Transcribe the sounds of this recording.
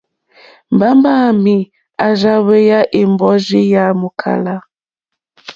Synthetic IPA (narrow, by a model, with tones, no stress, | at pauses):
m˨ba˦mba˦˨mi˨ | a˨za˦βe˦ja˦ʔi˨mbɔ˦zi˦ja˦mu˨kʰa̰˨la˦